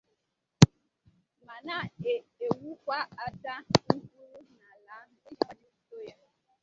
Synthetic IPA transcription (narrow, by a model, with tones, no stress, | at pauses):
ma˨na˦˨e˨e˨wu˦kʷa˦a˨ta˦ku˦ɾu˦na˨la˨˦m̩˦e˦d͡ʒi˨ka˦d͡ʒi˦u˦to˦ja˦